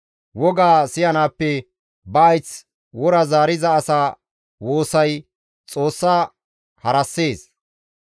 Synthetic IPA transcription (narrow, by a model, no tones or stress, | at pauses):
wɔɡaːsɪjɐnaːpːɛ | bɐːjt͡s | wɔɾɐzaːɾɪzɐːsaː | wo̞ːsɐj | t͡sʼo̞ːsːaː | hɐɾɐsːe̞ːs